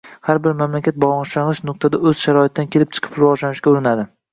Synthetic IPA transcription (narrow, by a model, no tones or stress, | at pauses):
haɾbɪɾmamlakʲat̪̚bɒɨʃlanlˠɨɪʃnʊq̚t̪ʰad̪aɵz̥ʃaɾɒɪt̪̚ːankʲʰe̞lɪp̚t͡ʃʰɨ̥qʰɨ̥pɾʊvɒd͡ʒlanɪʃkʲaʊɾɪnad̪ɪ